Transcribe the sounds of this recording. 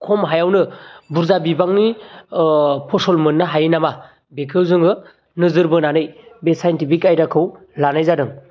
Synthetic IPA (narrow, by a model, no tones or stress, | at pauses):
kʰɔmɦajawnɯbuɾzabibaŋni | pʰɔsɔlmɯnːaɦajinama | bekʰɯwzɯŋɯ | nɯzɯɾbɯnanɯjbesajntipʰikajdakʰɯw | lanajzadɯŋ